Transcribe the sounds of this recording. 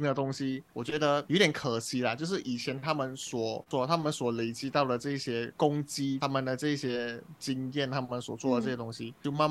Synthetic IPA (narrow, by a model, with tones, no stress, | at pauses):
ŋd̪ə˨t̪ʊ˥ŋɕi˧˥wɔ˨˩t͡ɕɥɛ˧˥d̪ə˧jt̪jɛ˨˥˦kʰə˨˩ɕi˧˥lə˨t͡ɕjo˥˧ʊʂ̬ɻ̩˥˩ʔi˨˩t͡ɕʰjɛ˧˥nt̪ʰa˥mə˨nswɔ˨˩t͡swɔ˥˩t̪ʰa˥mə˨nswɔ˨˩le˧˥ɪt͡ɕi˥t̪ɑ˥˩ʊd̪ə˩ʈ͡ʂɤ˥˧i˥˩ɕjɛ˥kʊ˥ŋt͡ɕi˥a˥mə˨nd̪ə˩ʈ͡ʂɤ˥˩˧i˥˩ɕjɛ˥t͡ɕi˥ŋjɛ˥˩nt̪ʰa˥mə˨nswɔ˨˩t͡swɔ˥˩də˩ʈ͡ʂɤ˥˩jɛ˧˥t̪ʊ˥ŋɕi˨t͡ɕjo˥˧ʊma˥˧